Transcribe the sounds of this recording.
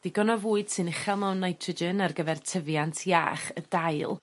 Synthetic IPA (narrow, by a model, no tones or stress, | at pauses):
d̥iɡɔnɔvuːɨd̥sɨnɪχɛlˠmɛwnːajtʰrəd͡ʒɪnarɡəvɛrtʰəvjantʰja̰ːχədajlˠ